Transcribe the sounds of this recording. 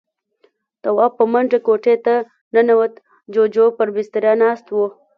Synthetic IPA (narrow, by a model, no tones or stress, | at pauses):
t̪awɑpːəmaɳd͡ʒakoʈet̪a | nanawət̪ | d͡ʒod͡ʒopəɾbɪst̪əɾjɑnɑst̪wo